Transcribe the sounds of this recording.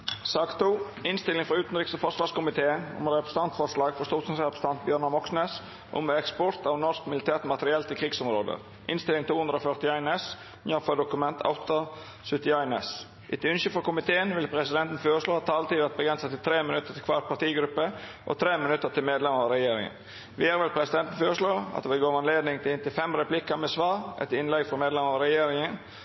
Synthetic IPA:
sɑːkt̪ʰːuː | ɪnst̪ɪlɪŋfɾɑʉːt̪ənɾɪksɔfɔʂʋɑːɾskʊmɪt̪ʰeːənʊ̰mɾɛpɾəst̪ɑnt̪fɔʂlɑːɡfɔst̪uːt̪sɑnsɛpə̥st̪ɑnt̪̚bjœːɾɳɑmɔksneːs | ʔʊ̰mɛɛkspɔɾt̪ɑʋnɔɾskmɪlɪt̪ʰæːt̪mɑt̪əɾɪɛlt̪ɪkʰɾiːɡsɔmɾoːd̪ə̰ | ʔɪnst̪ɪlːɪŋt̪ʰuːʉnd̪ɾəoːfœɾt̪ɪɑɪnɛs | mjɑfəd̪ʊkʉmɛnt̪ʰɑ̰ʊt̪ɑ | sʉt̪ɪɑɪnɛs | ʔɪt̪ʰʉnɕəfɔɾkʊmɪt̪ʰeːənʋɪlpʰɾɛsɪd̪ɛnt̪n̩føːɾəʂɭoːhɑt̪ʰːɑːɑlt̪iːʋæt̪̚bəɡɾɛnsət̪ɪlt̪ʰɾeːmɪnʉt̪ːəɾt̪ʰɪlkʰʋɑːɾt̪̚pʰɑɾt̪iːɡɾʉpːəʔɔ̰t̪ʰɾeːmɪnʉt̪ːəʈ̪ɪlmeːd̪lɛməɾɑɾɛjeːɾɪ̰ŋə̰n | ʋɪæːɾʋɛlpʰɾɛsɪd̪ɛnt̪n̩føːɾəʂloːɑ̰t̪ʋɛɪɡoːɑnleːd̪nɪŋt̪ɪɪnt̪ɪlfɛmɾɛplɪkəmɛsʋɑːɾɛ̰t̪ɪnlɛɡfɔmeːd̪lɛməɾɑɾɛjeːɾɪŋən

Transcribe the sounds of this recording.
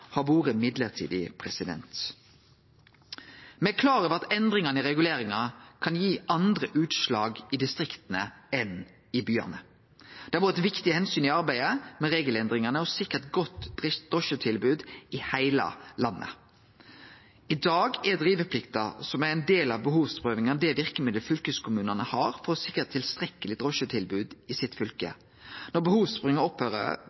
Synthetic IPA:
hɑʋoːʁəmɪd̪ləʁt̪ʰḭːd̪ɪ̰pʰʁɛsɪd̪ɛ̰nt̪ | mɛkʰlɑːʁəʋɑt̪ɛnd̪ʁɪŋɑnəɪʁɛɡʉleːɾɪŋɑkʰɑnjiːʔɑnd̪ʁəʔʉːt̪ʃlɑːɡɪd̪ɪst̪ʁɪkt̪nəɛn | ɪbyːɑ̰nə | d̪̥ɛɑʋuːʁɛt̪ʋɪkt̪ɪhɛnsyːnɪɑɾbæɪəmɛɾeːɡəlɛnd̪ʁɪŋɑnəɔsɪkːəʁt̪ɡɔt̪ːd̪̥ʁɔʃət̪ʰɪlbʉːd̪ɪhæɪlə̰lɑnːʔə̰ | ɪd̪ɑːɡɛd̪ɾiːʋəpʰlɪkt̪əsɔmæɾɛɪnd̪eːlɑʋbəhuːʋspʁøːʋɪŋɑd̪ɛʋɪʁkəmɪd̪əlfʏlkəskʰʊmʉːnənəhɑːɾfɔɾɔsɪkːət̪ʰːɪlst̪ɾɛkəlɪd̪ʁɔʃət̪ʰɪlbʉːd̪ɪsɪt̪ːfʏlkə̰ | nɔɾbəhuːʋspʁʊɪŋəɔphøːɾə̰

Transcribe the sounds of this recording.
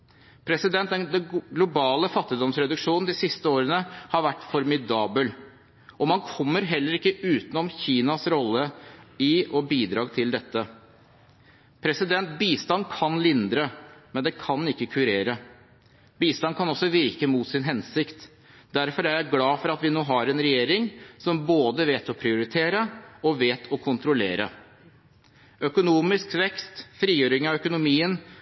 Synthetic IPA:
pʰɾɛsɪd̪ɛnt̪d̪ɛnd̪ɛɡlʊbɑːləfɑt̪ːɪd̪ɔmsɾɛd̪ʉkʂuːnn̩d̪ɪsɪst̪əoːɾənəhɑɾʋæʈːfɔɾmɪd̪ɑːbəl | ʔɔmɑnkʰɔmːəɾɦɛlːəɾɪkːəʉːt̪nɔmçiːnɑsɾɔlːəɪɔbiːd̪ɾɑːɡt̪ʰɪld̪ɛt̪ːə | pʰɾɛsɪd̪ɛnt̪̚biːst̪ɑnkʰɑnlɪnd̪ɾəmɛnd̪ɛkʰɑnɪkːəkʰʉɾeːɾə | biːst̪ɑnkʰɑnɔsɔʋɪɾkəmuːt̪sɪnɦɛnsɪkt̪ | d̪æɾfɔɾææɡlɑːfɔɾɑt̪ʋɪnoːɦɑɾɛnɾɛjeːɾɪŋsɔmboːd̪əʋeːt̪ɔpʰɾɪʊɾɪt̪ʰeːɾəɔʋeːt̪ʰɔkʰʊnt̪ɾʊlḛːɾə | œkʊnuːmɪskʋɛkst̪fɾiːjøːɾɪŋɑʋœkʊnʊmiːən

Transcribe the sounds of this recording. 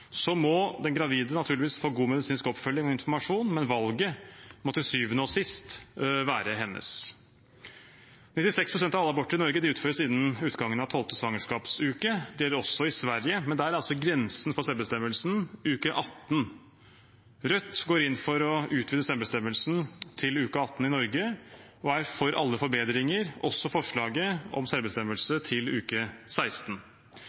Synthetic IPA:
sɔmɔd̪ɛnɡɾɑʋiːd̪ənɑt̪ʰʉːɭɪʋiːsfoːɡuːmɛd̪ɪsiːnskɔpfœlːɪŋɔɪnfɔɾmɑʂuːnmɛnʋɑlɡəmɔt̪ɪlsyːʋənəoːsɪst̪ʋæːɾəɦɛnːʔə̰s | nɪt̪ːɪsɛkspʰɾʊsɛnt̪ɑʋɑlːəɑbɔʈːəɾɪnɔɾɡəd̪ɪʉːt̪føːɾəsɪnːənʉːt̪ɡɑŋːənɑʋt̪ʰɔlt̪əsʋɑŋəʂkɑːpsʉːkəd̪ɛjɛælːəɾɔsːɔɪsʋæɾjəmɛnd̪ææɾæɾɑlsɔɡɾɛnsn̩fɔsɛlbəst̪ɛmːəlsn̩ʉːkəʔɑt̪ːn̩ | ɾœt̪ːɡoːɾɪnːfɔɾɔʉːt̪ʰʋiːd̪əsɛlbəst̪ɛmːəlsn̩t̪ʰɪlʉːkəɑt̪ːn̩ɪnɔɾɡə | ɔæɾfɔɾʔɑ̰lːəfɔɾbeːd̪ɾɪŋəɾʔɔsːɔfɔʂɭɑːɡəɔ̰msɛlbəst̪ɛmːəlsət̪ʰɪlʉːkəsæɪst̪n̩

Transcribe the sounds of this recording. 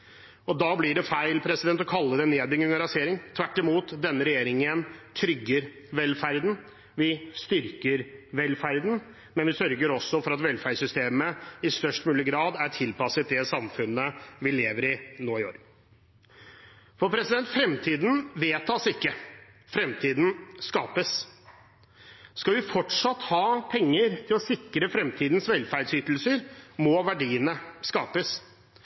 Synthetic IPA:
ɔd̪ɑːblɪɖɛfæɪlpʰɾɛsɪd̪ɛnt̪ɔkʰɑlːəd̪ɛneːd̪bɪŋʉŋəɾɑseːɾɪŋt̪ʰʋæʈːɪmuːt̪d̪ɛnːəɾɛjeːɾɪŋənt̪ʰɾʏɡːəɾ | ʋɛlfæɾd̪n̩ | ʋɪst̪ʏɾkəɾʋɛlːfæɾd̪n̩ | mɛnʋɪsœɾɡəɾɔsːɔfɔɾɑt̪ʋɛlfæsʏst̪eːməɪst̪œʂʈmʉːlɪɡɾɑːd̪æʈʰɪlpɑsət̪̚d̪ɛsɑmfʉnːəʋɪleːʋəɾɪnoːɪo̰ːɾ | fɔɾpʰɾɛsɪd̪ɛnt̪fɾɛmt̪ʰiːd̪nʋeːt̪ʰːɑːsɪkːə | fɾɛmt̪ʰiːd̪n̩skɑːpəs | skɑʋɪfɔʈʂɑt̪ːhɑːpʰɛŋːəɾt̪ʰɪlɔsɪkːɾəfɾɛmt̪ʰiːd̪nsʋɛlfæɖsyːt̪l̩səɾmɔʋæɖiːənəskɑːpəs

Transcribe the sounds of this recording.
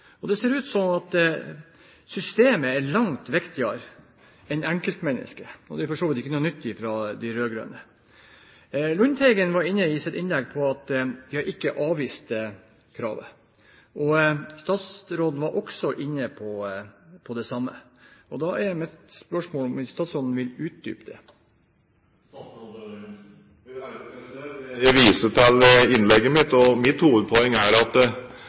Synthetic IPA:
ɔd̪ɛseːɾʉːt̪sɔmɑt̪ | sʏst̪eːməɛɾɭɑŋt̪ʋɛkt̪ʰɪɑɾ | ɛɪnæŋkəlt̪mɛnːə̰skəɔ̰d̪ɛfɔʂoːʋlət̪ɪkːənuːnʏt̪ːɪfɾɑd̪ɪɾøːɡɾø̰ːə̰nə | lʊnt̪ʰɛɪɡənʋɑɾɪnːəɪsɛt̪ɪnlɛɡpʰɔɑt̪d̪ɪhɑɾʔɪkːəʔɑːʋʋiːst̪ | kʰɾɑ̰ːʋə̰ | ʔɔst̪ɑːt̪sɾoːd̪n̩ʋɑɾʔɔksɔʔɪnːəpʰɔpʰɔd̪ɛsɑmːə̰ʔɔd̪ɑʔæɾmɛt̪spœʂmoːlɔmɪst̪ɑːt̪sɾoːd̪n̩ʋɪlʉːt̪̚d̪y̰ːpd̪ɛ̰ | jæʋiːsəʈɛlɪnlɛɡːəmɪt̪ɔmɪt̪huːʋəd̪̚pʰɔɛŋːæɖɛɑt̪

